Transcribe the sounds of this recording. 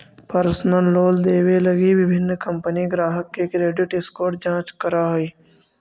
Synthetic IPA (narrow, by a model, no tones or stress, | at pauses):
pəɾsnəlːoːld̪eːweləɡibɪbʱɪnːkəmpəniɡɾaːɦəkːekɾeːɖɪʈɪskoːʈ̚d͡ʒãːt͡ʃkəɾaɦoiː